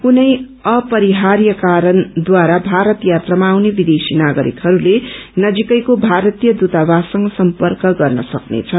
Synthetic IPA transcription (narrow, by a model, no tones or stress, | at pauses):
kunʌj | ʌpʌɾiɦaɾjʌkaɾʌnd̪waɾabʱaɾʌt̪jat̪ramaːwnebid̪esinaɡʌɾḭkɦʌɾulenʌd͡zikʌjkobʱaɾʌt̪ijʌd̪ut̪abasʌŋʌsʌmpʌrkʌɡʌrnʌsʌknḛt͡sʰʌn